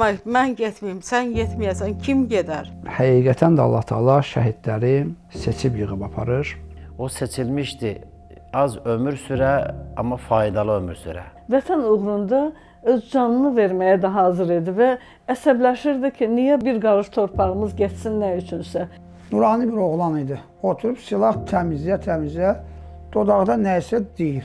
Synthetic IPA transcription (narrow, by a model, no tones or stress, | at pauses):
ɑmænɟet̪mijimsænɟet̪mijæsæncʰimɟed̪æɾhæɡiːɡæt̪ʰænd̪æɑ̰lˠːɑht̪ʰɑːlˠɑʃæɦid̪læɾi | se̞t͡ʃʰipjɯʁɯbɑpʰɑ̰ɾɯɾose̞t͡ʃʰilmiʃt̪i | ɑzømyɾsyɾæɑ̰mːɑfɑːid̪ɑlˠɯømyɾsy̰ɾæ̰væt̪ʰænuɣɾund̪ɑ | øzd͡ʒɑnɯnɯve̞ɾmæjæd̪ɛɦɑːzɯɾed̪ivæː | sæblæʃiɾd̪icʰinijæbiɾɡɑɾɯʃt̪ʰo̞ɾpʰɑʁɯmɯzɟæt̪sinːæjyt͡ʃʰynsæ | nuɾɑːnɯbiɾo̞ʁlˠɑnid̪i | o̞t̪ʰuɾubsilˠɑχt̪ʰæmizjæt̪ʰæmizæ | d̪̥o̞d̪ɑʁd̪ɑnæjisæd̪̥ejiɾ